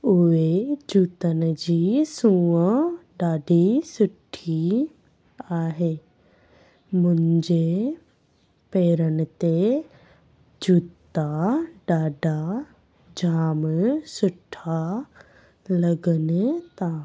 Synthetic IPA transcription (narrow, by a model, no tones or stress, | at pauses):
ʊed͡ʑuːt̪ən̆d͡ʑiːsũːəɖaːɖisʊʈʰi | aːɦeː | mʊ̃ɪ̃ɲd͡ʑe | peːɾənɪ̆t̪e | d͡ʑuːt̪aɖaːɖa | d͡ʑʱaːmsʊʈʰa | lɐɡənɪt̪a